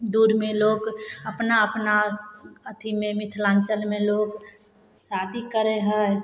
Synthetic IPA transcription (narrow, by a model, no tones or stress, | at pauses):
d̪uːɾmẽloːɡəpnaəpnaət̪ʰimẽmɪt̪ʰlãːnt͡ʃəlmẽloːɡ | saːd̪ʱikəɾeɦə